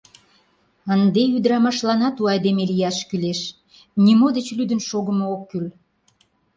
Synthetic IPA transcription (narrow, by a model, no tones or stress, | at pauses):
ənd̪eyd̪əɾɑmɑʃlɑnɑt̪uɑjd̪emelijɑʃkyleʃ | nʲimod̪et͡ɕlyd̪ənʃoɣəmookːyl